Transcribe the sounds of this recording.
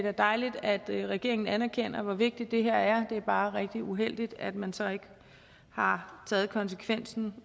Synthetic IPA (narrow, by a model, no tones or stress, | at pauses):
dæɐd̥ɑ̈ɪlid̥æd̥ʁɛɡ̥e̝ɐ̰eŋn̩ænæɐkʰen̰ɐʋɒʋe̝ɡ̥̚d̥id̥ːe̝ɦeɐ̰æɐd̥e̝æɐb̥ɑ̈ːʁɛɡ̥̚d̥iuɦel̰d̥id̥æd̥mænsɒ̽e̝ɡ̥ | hɑ̈t͡sʰɛːð̞̩ˠkʰɒ̽ns̬ə̥kʰʋen̰sn̩